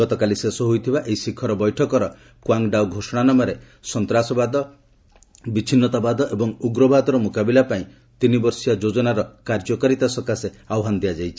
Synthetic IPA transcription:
ɔt̪ɔkalisesɔɦujt̪ʰibaʔeisikʰːɔɾɔbɔjʈʰɔkɔɾɔ | kwaŋɖawɡʱosɔɽ̃anɔmɔɾe | sɔnt̪ɾasɔbad̪ɔ | bit͡ʃʰinːɔt̪abad̪ɔʔebɔŋuɡɾɔbʱad̪ɔɾɔmukabilapaĩ | t̪inibɔɾsijad͡ʒod͡ʒɔnaɾɔkaɾd͡ʒɔkɔɾit̪asɔkase | awɦand̪ijad͡ʒajt͡ʃʰi̥

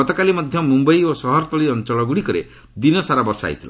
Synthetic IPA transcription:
ɔt̪ɔkalimɔd̪ʱjɔmumbɔiosɔɦɔɾt̪ɔliɔnt͡ʃɔɭɔɡuɽikɔɾḛ | d̪inɔsaɾabɔɾsa̰ɦḭt̪ʰila̰

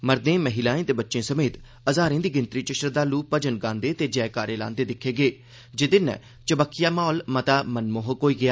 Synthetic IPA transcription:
məɾd̪ẽːməɦɪlãːẽːt̪eːbətːʃẽːsəmeːt̪ | əzaːɾẽːd̪iːɡɪnt̪ɾiːt͡ʃɪʃɾəd̪aːluːpːəd͡ʒənɡãːnd̪eːt̪eːd͡ʒɛːkaːɾeːlã̰ːnd̪eːd̪ɪkʰːeːɡeː | d͡ʒɪd̪ɪnɛ̰ | t͡ʃəbəkʰːɪjaːmaːlmət̪aːmənmoːɦokoːiːɡɪjaː

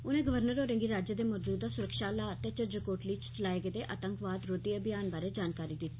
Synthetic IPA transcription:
ʊnẽːɡəʋəɾnəɾoːɾə̃ŋɡiːɾaːd͡ʒəd̪eːmoːd͡ʒuːd̪aːsʊɾəkʃaːlaːt̪et͡ʃəɾd͡ʒəkoːʈliːt͡ʃt͡ʃəlaːeɡed̪eːʔa̰ːt̪əŋkʋaːd̪ɾod̪iabɪjaːnbaːɾeːd͡ʒaːnkaːɾiːd̪ɪt̪ːi̥ː

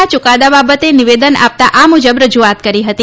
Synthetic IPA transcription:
at͡ʃʊkad̪ababət̪eniʋed̪əna̰p̚t̪aʔamud͡ʒəbɾəd͡ʒuat̪kəɾiɦət̪i

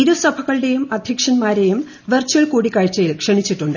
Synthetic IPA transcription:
iɾusɐbʱɐɣɐɭɨɽe̞jumɐd̪ʱjɐkʂɐnmaːɾejum | ʋɐrt͡ɕːuɐɭkuːɽikːaːɻt͡ɕːɐjilkʂɐɳit͡ɕːiʈːuɳɖɨ

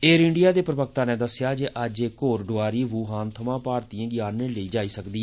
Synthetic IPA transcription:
eːɾɪɳɖɪijaːd̪eːpɾəbək̚t̪ãːnẽːd̪əsjaːd͡ʒeːʔəd͡ʒeːkoːɾɖoaːɾiːʋuːɦaːnt̪ʰəmãːpaːɾt̪iãːɡɪjaːnːeːləiːd͡ʒaːiːsəkd̪iː

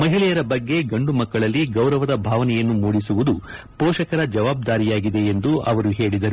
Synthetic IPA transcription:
mɐɦiɭɛjɐɾɐbɐɡːe̞ɡɐɳɖumɐkːɐɭɐlːiɡɐwɾɐʋɐd̪ɐbʱaːʋɐnɛjɐnːumuːɽisuʋud̪u | pɔːʃɐkɐɾɐd͡ʒɐʋaːb̚d̪aːɾijaːɡid̪e̞end̪uɐ̰ʋɐɾuɦe̞ːɭid̪ɐɾu

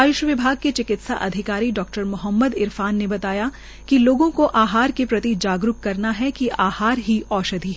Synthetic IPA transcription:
ajʊʃəʋɪbʱaːɡ̚ket͡ʃɪkɪt̪sa̰ʔɐd̪ʱɪkaːɾiɖɔːk̚ʈəɾmʊɦəmːəd̪ɪɾfaːnːebɐt̪aːja | kiloːɡõkoʔaːɦaːɾkepɾɐt̪id͡ʒaːɡɾʊkkɐɾnaɦɛkiʔaːhaːɾɦiɔːʃɐd̪ʱiɦɛ

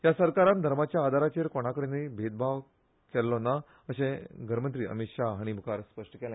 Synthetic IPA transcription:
jasəɾkaɾand̪ʱəɾmat͡ɕjaːd̪ʱaɾat͡ɕeɾkoɽ̃akəɽenebʱed̪̚bʱaʋ | kɛlːɔna | əɕẽɡəɾmənt̪ɾiːə̰mitʂaɦaɽ̃imukaɾspəʂʈəkɛl

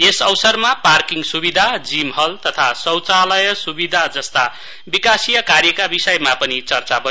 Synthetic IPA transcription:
esʌwsʌrmaparkiŋɡsubid̪ʱad͡zimɦʌlt̪ʌt̪ʰasʌwt͡salʌjʌsubid̪ʱad͡zʌst̪a | bikasijʌkarjʌkabisʌjmapʌnit͡sʌrt͡sabʌ

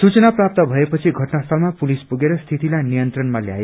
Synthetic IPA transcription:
sut͡sʌnaprap̚t̪ʌbʱʌepʌt͡sʰiɡʱʌʈnast̪ʰʌlmapulispuɡeɾʌst̪ʰit̪ilajnijʌnt̪rʌnmalja̰e

